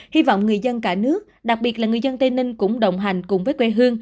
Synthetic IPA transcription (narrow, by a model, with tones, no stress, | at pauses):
hi˧vɔ̰˧˨wŋ͡mŋɨ˨˩əjzə˧nkaː˧˩nɨ˦˥ək̚ɗa˨˩k̚ɓi˨˩ət̚laː˨˩ŋɨ˨˩əjzə˧nt̪e˧nï˧ŋ̟kʊ̰˧˥ŋ͡mɗə̰˧˨wŋ͡mɦa˨˩jŋ̟kʊ˨˩ŋ͡mvəː˨˦jkwɛ˧˩ɦɨ˧əŋ